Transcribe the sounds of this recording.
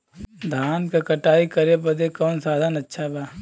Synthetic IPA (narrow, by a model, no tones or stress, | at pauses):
d̪ʱaːnkakɐʈaːikɐɾepɐd̪ekɔːnsaːd̪ʱanɐtːʃʰabaː